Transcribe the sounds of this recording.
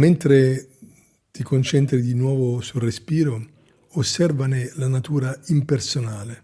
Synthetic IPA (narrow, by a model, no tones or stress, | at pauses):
ment̪ɾe | t̪ikont͡ʃɛnt̪ɾid̪inwɔːvosulrespiːɾo | osːɛrvanelanat̪uːɾaimpersonaːle